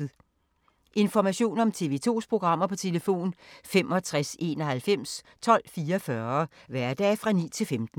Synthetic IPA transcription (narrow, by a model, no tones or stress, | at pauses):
ʔe̝nfɒmæɕo̝̰ːnɒ̽mt͡sʰe̝ʋe̝t͡sʰo̝̰ːspʰʁoɡ̥ʁɑ̈m̰ɐpʰɒ̽t͡sʰe̝ləfo̝̰ːnfem̰ʔɒ̽t͡sʰʁase̝ːnɒ̽hælfem̰s | t͡sʰɒ̽l̰fiːɐfɶɐʋæɐd̥ɛ̰ːfʁɑ̈nḭːt͡sʰe̝lfemd̥n̩